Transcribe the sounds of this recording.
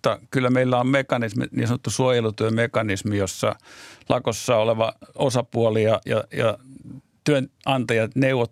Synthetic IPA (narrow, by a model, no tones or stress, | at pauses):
t̪ːɑkylːæmeilːæommekɑnismḭnḭːsɑnot̪ːusuojelut̪yømekɑnismijosːɑ̰lɑkosːɑːoleʋɑosɑpuolijɑjɑjɑ̰ | t̪yønɑnt̪ɑjɑt̪neuʋot